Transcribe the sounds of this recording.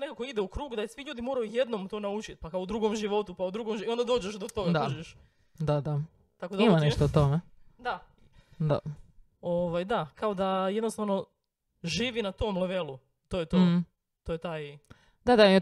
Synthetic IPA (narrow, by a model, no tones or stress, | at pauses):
nekakoid̪ɛukɾuːɡud̪asʋiʎuːd̪imo̞ːɾajuje̞d̪nomt̪o̞ːnaut͡ʃit̪pakaoud̪ɾuɡomʒiʋo̞t̪upaud̪ɾuɡomio̞nd̪ad̪o̞ːd͡ʑeʃd̪ot̪o̞ɡad̪ad͡ʒeʃ | d̪ad̪a | t̪ako̞d̪aimaneʃt̪out̪omed̪a | d̪a̰ | oʋajd̪akaod̪ajed̪nost̪aʋno̞ | ʒiːʋinat̪o̞mleʋelu | t̪ojet̪oː | t̪ojt̪aːj | d̪ad̪aim